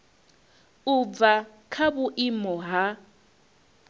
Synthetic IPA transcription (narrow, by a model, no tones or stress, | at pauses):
uva | kʰaβuʔɪmɔɦa